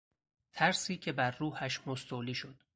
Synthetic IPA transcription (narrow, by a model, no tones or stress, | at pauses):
t̪ʰæɾsiːcʰe̞bæɾːuːhæʃmost̪ʰoːliːʃo̞d̪̥